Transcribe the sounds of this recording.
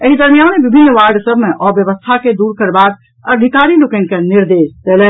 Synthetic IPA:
eɦid̪əɾmijanebibʱinːʋaɾɖsəbʱmeʔɔbjəbəst̪ʰaked̪uɾkəɾbak | əɖʱikaɾilokɛnkeniɾd̪esd̪elɛ

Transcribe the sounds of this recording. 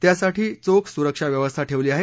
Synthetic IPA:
t̪jasaʈiːt͡sokʰsuɾəkʂaʋjəʋəst̪ʰaʈʰeʋliːaɦe

